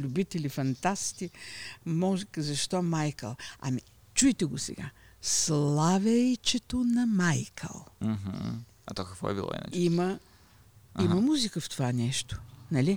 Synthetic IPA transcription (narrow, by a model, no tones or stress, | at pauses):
lʲʊbit̪ɛlifɐnt̪ast̪imɔʒkzɐʃt̪ɔmajkə̰lˠɐ̰mi | t͡ʃujt̪ɛɡosɛ̰ɡa̰ | slˠavɛjt͡ʃɛt̪onɐmajkʰə̰lˠm̩ɦ̩ | ɐ̰t̪ɔkɐkvɔ̰ɛ̰bilˠɔ̰ḭna̰t͡ʃimɐ | imɐmuzikəft̪ovanɛʃt̪o̥nɐlʲi